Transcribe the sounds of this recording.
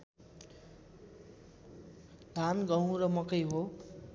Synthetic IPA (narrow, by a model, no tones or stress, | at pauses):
d̪ʱanɡʌw̃ɾʌmʌkʌjɦo